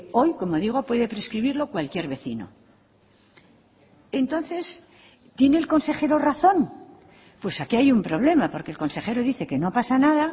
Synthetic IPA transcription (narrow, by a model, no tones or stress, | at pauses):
o̞jko̞mo̞ðiɣ̞o̞pwe̞ðe̞pɾe̞skɾiβiɾlo̞kwalkje̞ɾβe̞θino̞̰ | e̞nt̪o̞nθe̞s | t̪je̞ne̞ːlko̞nse̞xe̞ɾo̞raθo̞n | pwe̞sakiajumpɾo̞β̞le̞mapo̞ɾkelko̞nse̞χe̞ɾoðiθe̞ke̞no̞pasanaða